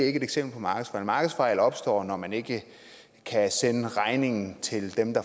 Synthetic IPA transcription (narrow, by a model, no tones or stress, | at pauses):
e̝ɡ̥əed̥eɡ̥sem̰b̥l̩pʰɒ̽mɑ̈ːɡ̥ð̩ˠfɑ̈ɪlmɑ̈ːɡ̥ð̩ˠsfɑ̈ɪlɒ̽b̥sd̥ɒ̰ːnɒmæne̝ɡ̥ə | kʰæsenəʁɑ̈ɪne̝ŋn̩t͡sʰe̝ld̥emd̥ɑ̈